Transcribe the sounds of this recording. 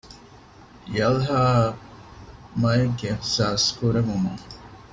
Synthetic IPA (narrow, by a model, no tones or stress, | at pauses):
jɐlɦaː | mɐjeɡːeːhsaːskuɾeʋumuŋ